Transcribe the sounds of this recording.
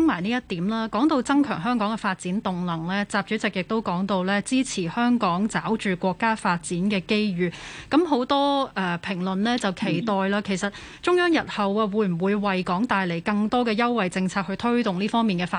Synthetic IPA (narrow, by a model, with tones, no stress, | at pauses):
ŋmaː˨˩jniː˥jɐ˥t̚t̪iː˨˥mlaː˥kɔː˨˥ŋt̪o˧wt͡sɐ˥ŋkʰœː˨˩ŋɦœː˥ŋkɔː˨˥ŋɡɛ˧faː˧t̚t͡siː˨˥nt̪ʊ˨ŋlɐ˨˩ŋlɛː˥t͡saː˧p̚t͡ʃy˨˥t͡sɪ˨k̚jɪ˨k̚t̪o˥wkɔː˨˥ŋt̪o˧wlɛː˥t͡siː˥t͡sʰiː˨˩hœː˥ŋkɔː˨˥ŋt͡saː˨˥wt͡ʃyː˨kʷɔː˧kːaː˥faː˧t̚t͡siː˨˥nkɛː˧ke˥jɥyː˨˩kɐ˨˥mɦo˨˥wt̪ɔː˥ʔɛː˨˩pʰɪ˨˩ŋlɵ˨nlɛː˥t͡sɐ˨wkʰe˨˩jt̪ɔː˨jlaː˧kʰe˨˩jsɐ˨t̚ | t͡ʃʊ˥ŋjœː˥ŋjɐ˨t̚hɐ˨waː˧wuː˨˥jm̩˨˩wuː˨˧jwɐ˨jkɔː˨˥ŋt̪aː˨jle˨˩jkɐ˧ŋt̪ɔː˥kɛː˧jɐ˥wːɐ˨jt͡sɪ˧ŋt͡sʰaː˧t̚hɵ˧ɥt̪ʰɵ˥ɥt̪ʊ˨ŋliː˥fɔː˥ŋmiː˨nŋkɛː˧faː˧